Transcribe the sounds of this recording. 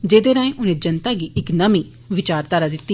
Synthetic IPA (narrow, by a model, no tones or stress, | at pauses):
d͡ʒeːd̪eːnaːẽʔʊnẽːd͡ʒənt̪aːɡiːʔɪknəmiː | ʋɪt͡ʃaːɾt̪aːɾaːd̪ɪt̪ːi